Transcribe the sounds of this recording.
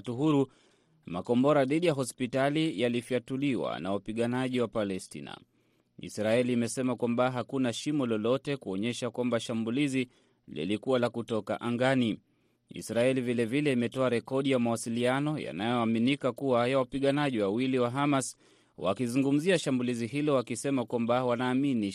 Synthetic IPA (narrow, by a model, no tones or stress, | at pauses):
tuɦuɾu | makɔmbɔɾaðiɗijaɦɔspitalijalifiatuliwa̰na̰wapiɠanaʄiwapalɛstḭna̰ | ḭsɾaɛliːmɛsɛmakwambaɦakunaʃimɔlɔlɔtɛkuɔɲɛʃakwambaʃambulizi | lḭlikuwalakutɔka̰ʔaŋɡani | ḭsɾaɛlivilɛvilɛimɛtɔaɾɛkɔɗijamawasilianɔja̰najɔaminikakuwajawapiɠanaʄiwawiliwaɦamas | wʔa̰kizuŋɡum̩ziaʃambuliziɦilɔwakisɛmakwambawanaːmini